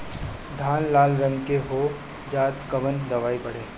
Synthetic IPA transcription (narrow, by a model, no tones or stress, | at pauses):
d̪ʱaːnlaːlɾə̃ŋkeɦoː | d͡ʒaːt̪kɐʋənd̪ɐʋaːipɐɽeː